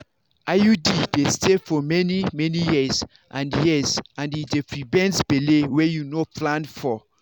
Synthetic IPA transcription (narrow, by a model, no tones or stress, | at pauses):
ʔajudidestefɔmɛnimɛnijiz | ʔãnjizãnidefɹibɛ̃nsbelewɛjunoplãnfɔ